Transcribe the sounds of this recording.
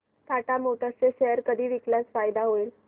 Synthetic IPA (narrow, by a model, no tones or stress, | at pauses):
t̪ʰaʈamoʈʰat͡seɕɛəɾkəd̪ʱiːʋiklat͡sfajd̪aɦoil